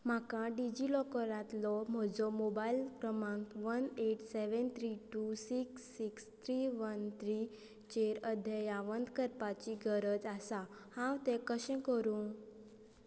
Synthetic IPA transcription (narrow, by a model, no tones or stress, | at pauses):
m̤akãɖid͡ʑilɔkəɾãt̪lɔm̤ɔd͡zɔmobailkɾəmãŋkʋəneʈseʋənt̪ʰɾiʈusiksːikst̪ʰɾiʋənt̪ʰɾi | t͡ɕeɾəd̪ʱjəjaʋənd̪kəɾpat͡ɕiɡəɾəd͡zasahãwt̪ɛ̃kəɕɛ̃kəɾũ